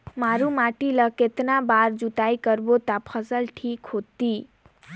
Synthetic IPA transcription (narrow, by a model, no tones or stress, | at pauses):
maɾumaʈiləket̪nabaɾd͡ʒut̪ajkəɾbot̪apʰʌsəlʈʰikɦot̪i